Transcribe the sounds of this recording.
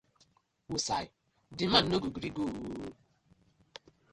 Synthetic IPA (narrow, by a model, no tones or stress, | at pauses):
wusai | diman̩noɡuɡiɾiɡo